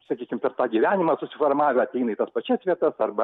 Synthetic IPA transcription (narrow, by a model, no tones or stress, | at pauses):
sɐkʲiːkʲɪmpʲɛrt̪ɑːɡʲiʋʲæːnʲɪmɑːsʊsʲɪformɑːʋʲɛɐtʲɛɪnɐɪt̪ɐspɐt͡ʃʲɛsʋʲiɛt̪ɐsɐrbɐ